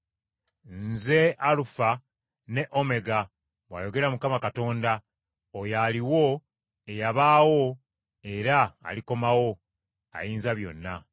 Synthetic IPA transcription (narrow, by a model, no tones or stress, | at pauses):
nze̞ʔalufa | ne̞ʔome̞ɡa | βwa̰jo̞ɡe̞ɾamukamakato̞ːnda | ojaliwo̞ | ejaβaːwo̞ | e̞ɾa̰ːliko̞mawo̞ | a̰jiːnzaβjo̞̰nːa